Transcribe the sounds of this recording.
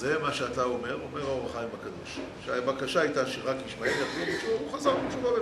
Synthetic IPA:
zemaʃeat̪ao̞me̞ʁo̞meʁaoʁaχajimakad̪o̞ʃ | ʃeabakaʃaajtaʃeʁakjiʃmaemjaflubet͡ʃuuχazaʁit͡ʃuvabe

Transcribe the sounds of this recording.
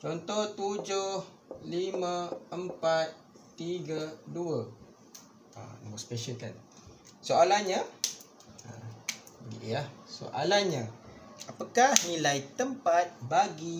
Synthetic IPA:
t͡ʃɔnt̪ɔht̪ud͡ʒʊh | limə̃əmpat̪̚ː | iɡəduə | a̰na̰mospeʃəlka̰n | soalahɲa | a̰bəɡḭʔahso̰ʔalahɲaapakahnilajt̪əmpat̪̚baɡi

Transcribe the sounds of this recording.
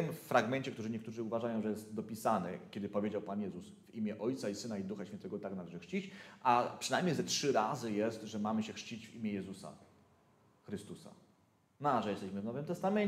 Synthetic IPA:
t̪ɘmfːɾaɡmɛnt͡ɕɛkt̪uʐɘɲɛkt̪uʐɘuvaʐajɔ̃w̃ʐɛjɛst̪d̪ɔpʲisanɛ̰kʲɛd̪ɘpɔvʲjed͡ʑawpanjɛzusvimʲjɛʔɔjt̪saisɘnaid̪uxaɕfʲjɛnt̪ɛɡɔt̪aknalɛʐɘxʂt͡ɕit͡ɕʔapʂɘnajmʲɲejzɛtʂɘɾazɘjɛst̪ʐɛmamɘɕɛxʂt͡ɕit͡ɕvimʲjɛjɛzusa̰ | xɾɘst̪usa̰ | naʐɛjɛst̪ɛɕmɘvnɔvɘmt̪ɛst̪amɛɲ

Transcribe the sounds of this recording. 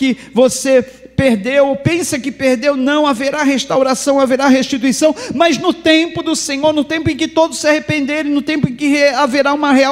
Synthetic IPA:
kɪ | vose | peɾd̪ewopẽsɐkɪpeɾd̪ewnɐ̃w̃aveɾaɦest̪awɾasɐ̃w̃aveɾaɦeʃt͡ʃit̪uisɐ̃w̃mɐznʊt̪ẽpʊd̪ʊsẽɲoɾnʊt̪ẽmpʊẽkɪt̪od̪ʊsiahepẽnd̪eɾẽnʊt̪ẽmpʊẽkɪaveɾaũmɐɦea

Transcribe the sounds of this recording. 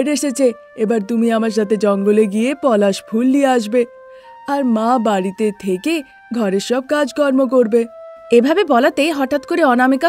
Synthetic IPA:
ɖeʃet͡ɕʰe | ebaɾt̪umiamaɾʃat̪ed͡ʑɔŋɡoleɡiepɔlaʃbʱulːieaʃ̬be | aɾmabaɽit̪et̪ʰeke | ɡʱɔɾeɾʃɔb̚kad͡ʑkɔɾmok̬oɾbeebʱabebɔlat̪ejɦɔʈat̪koɾeɔnameka

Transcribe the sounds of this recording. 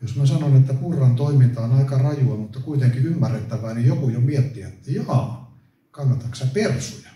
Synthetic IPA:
josmæsɑnonet̪ːæpurːɑnt̪oimint̪ɑːnɑikɑrɑjuɑmut̪ːɑkuit̪eŋkiymːærːet̪ːæʋæːnijokujomiɛt̪ːiæt̪ːæjɑɑː | kɑnːɑt̪ɑksɑpersujɑ

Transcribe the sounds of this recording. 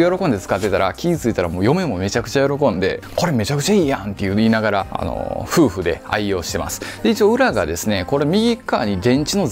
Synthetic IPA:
jo̞ɾo̞kond̪e̞t͡sɨ̥kat̪ːe̞t̪aɾakʲiit͡sɨit̪aɾamoːjo̞me̞mo̞me̞t͡ɕakɯ̟̥t͡ɕajo̞ɾo̞kõ̞nd̪e̞ko̞ɾe̞me̞t͡ɕakɯ̟t͡ɕaiːjã̰nt̪e̞jɯ̟iːnaɡaɾaa̰no̰ɸɯ̟ːɸɯ̟d̪e̞̰a̰io̞ːɕi̥t̪e̞ma̰sɨ̥d̪̥e̞it͡ɕio̞ːɯ̟ɾaɡad̪e̞sɨne̞ko̞ɾe̞mʲiɡʲikːaːɲ̟id̪ẽ̞ɲ̟t͡ɕino̞

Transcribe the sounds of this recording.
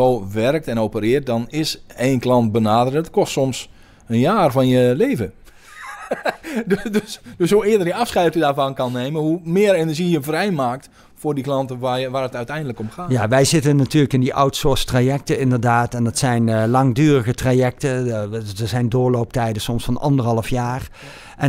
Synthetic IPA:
oʋɛrək̚tɛnowpərɪərt̚dɔnɪseːnklˠɑnt̚bənaːdərətkɔstsɔms | ənjaːrfɔnjəleːvə | ddøsdøshuɪədərdəɑfsχɛjtədaːɹvɑnkɑnːeːmənhumɪəɾenərʒijəvrɛjmaːk̚t | fʊːrdiklɑntəʋaʋaːrətœɥtɛjndələkɔmxaːjaʋɛjzɪtənːatyːləkɪndiʔɔwtsʊɹstraːjɛk̚təɪndərdaːtɛndɑtsɛjnlɑŋdyːrəɣətraːjɛk̚təəzɛjndʊːɹlowp̚tɛjdəsɔmsfɑnʔɑ̰ndərɦɑləfjaːr | ʔɛ

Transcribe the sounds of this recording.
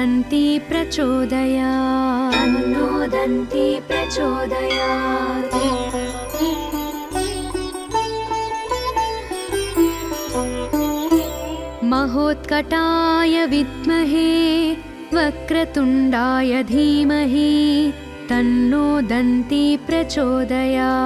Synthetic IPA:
ɐnt̪ipɾɐt͡ʃoːd̪ɐjaːɐnːoːd̪ɐnt̪ipɾɐt͡ʃoːd̪ɐjaːi | mɐɦoːt̪kɐʈaːjɐʋid̪mɐɦe | ʋɐkɾɐt̪uɳɖaːjɐd̪ʱiːmɐɦi | t̪ɐnːoːd̪ɐnt̪ipɾɐt͡ʃoːd̪ɐja

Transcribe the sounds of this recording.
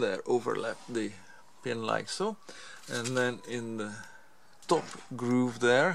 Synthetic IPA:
ðəɹʔovə̰˞lɛ̰p̚ðe | pɪ̃nla̰ɪksoɨ̃nðɛ̃nɪ̃nðə | tɔpɡɹuvðəɹ

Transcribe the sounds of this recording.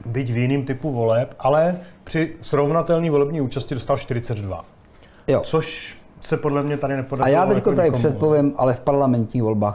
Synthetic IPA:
bɪcvjɪniːmt̪ɪpuvo̞lɛpʔalɛpr̥ɪsɾovnat̪ɛlɲiːvo̞lɛbɲiːuːt͡ʃascɪdost̪alʃt̪ɪɾɪt͡sɛd̪dva̰ | jot͡soʃ | sɛpodlɛmɲɛt̪adɪnɛpodaajaːt̪ɛkoadɪpsɛt̪̚povjɛmʔa̰lɛfpaɾlamɛnt̪ɲiːxvo̞lbaːx

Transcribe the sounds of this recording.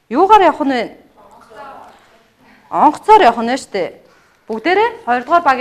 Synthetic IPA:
jʊːʁaːɾjɔχə̆nwæːn | ɔɴχ̆ʰt͡sɔːɾjɔχə̆njat͡ɕt̪ʰeː | pukt̪eːɾeːχɔj̆rt̪ʁɔːrpak

